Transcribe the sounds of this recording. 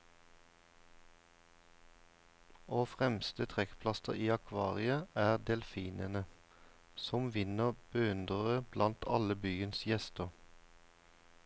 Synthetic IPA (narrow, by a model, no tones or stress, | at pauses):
oːfʁɛmst̪ət̪ʰʁɛkpʰlɑst̪əʁiːɑkʰʋɑːʁɪəʔæːʁd̪ɛlfiːnənə | sɔmʋɪnəʁb̥əʉnd̪ʁəʁəb̥lɑnt̪ʰɑləbyːənsjɛst̪əʁ